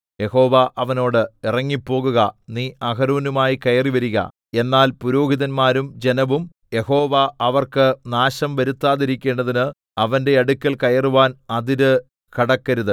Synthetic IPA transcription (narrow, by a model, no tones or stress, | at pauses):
je̞ho̞ːʋɐʔɐʋɐno̞ːɽɨirɐŋːipːo̞ːɣuɣɐniːɐɣɐɾuːnumaːjikɐjɐriʋɐɾiɣɐ̰ | e̞nːaːlpuɾo̞ːhiðɐnmaːɾumd͡ʑe̞nɐʋum | je̞ho̞ːʋɐɐʋɐrkɨnaːɕɐmʋɐɾut̪ːaːðiɾikʲːe̞ːɳɖɐðinɨ | ɐʋɐnde̞ɐɽukʲːɐlkɐjɐruʋaːnɐðiɾɨ | kɐɽɐkːɐɾuðɨ